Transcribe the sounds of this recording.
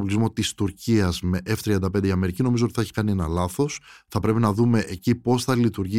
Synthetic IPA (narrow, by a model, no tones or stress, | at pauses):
pulizmo̞t̪ist̪uɾciɐzmeʔeft̪ɾiɐnd̪ɐpe̞nd̪eiɐme̞ɾicino̞mizot̪iθeçi̥kɐnie̞nɐlɐθo̞sθɐpɾe̞pinɐðume̞ʔecipo̞sθɐlit̪uɾʝi